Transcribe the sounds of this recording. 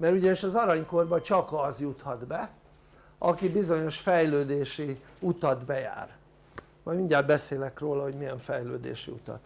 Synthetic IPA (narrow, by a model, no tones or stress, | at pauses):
mɛɾuɟɒniʃɒzɒɾɒɲko̞rbɒt͡ʃɒkɒzjut̪hɒd̪bɛ | ɒkibizo̞ɲo̞ʃfɛjløːd̪eːʃi | ut̪ɒd̪bɛja̰ːr | mɒjmiɲɟaːd̪̚bɛseːlɛkroːlɒɦo̞ɟmijɛɱfɛjlø̰ːd̪ḛːʃḭṵt̪ɒ̰t̪